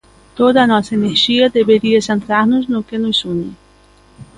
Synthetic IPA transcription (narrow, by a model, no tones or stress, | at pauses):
t̪od̪ɐːnɔsɐeneɾʒiɐd̪ebeɾiɐsẽnt̪ɾaɾnʊznʊkenʊsunɪ